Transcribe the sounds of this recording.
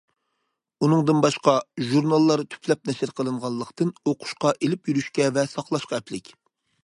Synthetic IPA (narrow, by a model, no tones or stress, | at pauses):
unɨŋd̪ɨnbɑʃqɑʒuɾnɑlˠːɑɾt̪ʰy̥pʰlɛp̚nɛʃɪɾqʰəlˠɨɴʁɑnlˠːəqt̪ɨnoqʰʊ̥ʃqɑʔelɪpjyɾyʃkʲɛvɛsɑqlˠɑʃqɑɛplɪkʲ